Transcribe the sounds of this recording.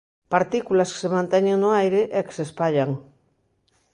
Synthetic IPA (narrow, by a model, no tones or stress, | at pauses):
paɾt̪ikulasksemãnt̪eɲeŋnoajɾeʔeke̥sespaʎaŋ